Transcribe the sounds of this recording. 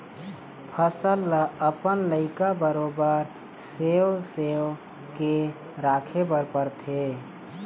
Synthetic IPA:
pʰəsəlːəəpənləɪkabəɾobəɾ | sewsew | ke | ɾakʰebəɾpəɾt̪ʰe

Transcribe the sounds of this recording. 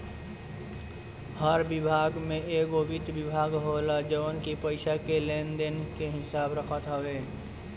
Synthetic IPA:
həɾbɪbʱaːɡmẽeːɡobɪt̪bɪbʱaːɡɦoːlad͡ʒəʋənkipəɪʃakeleːnd̪enkeɦɪsaːbɾəkʰət̪ɦəweː

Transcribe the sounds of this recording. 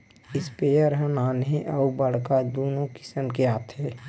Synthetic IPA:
ɪspeəɾɦə̃naːnɦẽʔəubəɽ̤kad̪oːnõkɪ̥səmkeaːt̪ʰɦɛː

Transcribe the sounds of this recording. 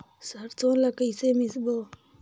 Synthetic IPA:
saɾt͡sonlakaisemisbo

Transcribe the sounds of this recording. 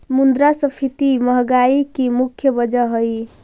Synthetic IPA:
mund̪ɾasəpʰit̪iməɦɡaikimukʰjəbəd͡ʒəɦəj

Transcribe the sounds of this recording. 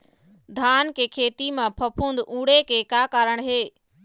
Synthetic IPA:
d̪ʱaːnkekʰeːt̪imẽpʰɐpʰũːnd̪ũːɽekekaːkaːɾəɽ̃ɦeː

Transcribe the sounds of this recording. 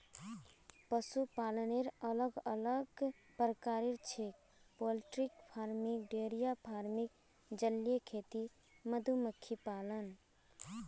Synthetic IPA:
pəsupaləneɾələɡələɡ | pəɾəkaːɾeɾt͡ʃʰek̚ | polʈɾik̚pʰaɾmikɖeɾijapʰaːɾmik̚ | d͡ʒəljekʰet̪i | məd̪ʱuməkʰːipalən

